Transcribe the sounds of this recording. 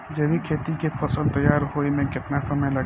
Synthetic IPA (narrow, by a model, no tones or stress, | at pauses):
d͡ʒɐbikʰeːt̪ikepʰɐsəlt̪ɐjːaːɾɦoːinẽkɪt̪nasɐməjlɐ